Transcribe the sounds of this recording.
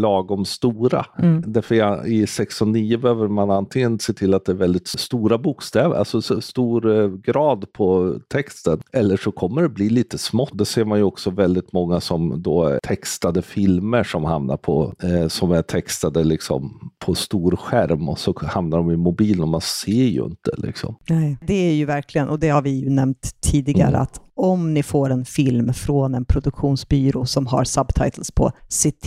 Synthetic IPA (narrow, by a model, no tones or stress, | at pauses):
lɑːɡɔmst̪uːɾa̰d̪æɾfœɾ̰ɪsɛksʊniːəbɛhøːvəɾmanant̪ʰɪŋːənseːt̪ʰɪlːat̪̚d̪ɛæɾvɛld̪ɪt̪st̪uːɾabʊkst̪ɛːvʔa̰lsɔsɔst̪uːɾɡɾɑːd̪pʰɔt̪ʰɛkst̪ənɛlːəʂɔkʰɔmːəɖɛbliːliːt̪əsmɔd̪ɛseːɾmanjɵɔksɔvɛld̪ɪt̪mɔŋːasɔmd̪ɔt̪ʰɛkst̪ad̪əfɪlməʂɔmha̰mna̰ɾpʰɔsɔmæt̪ʰɛkst̪ad̪əlɪksɔ̰mpʰɔst̪uːɾɧæɾmɔ̰sɔhamnaɖɔmɪmʊbiːlənɔmanseːɾjɵ̰ɪ̰nt̪ə̰lɪ̰ksɔ̰mnɛd̪ɛæɾjɵvæɾkʰlɪɡənɔd̪ɛhaɾvɪjɵnɛmt̪ʰːiːd̪ɪɡa̰ɾə̰a̰t̪ɔmnɪfoːɾɛnfɪlmfɾoːnɛnpʰɾʊd̪ɵkɧuːnsbyːɾʊsɔmɦa̰ɾsabt̪ʰa̰jt̪əlspʰɔ̰sɪt̪ʰ